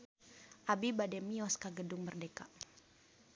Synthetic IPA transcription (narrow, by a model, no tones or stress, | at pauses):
ʔabibadɛmiɔskaɡədʊŋbərdeka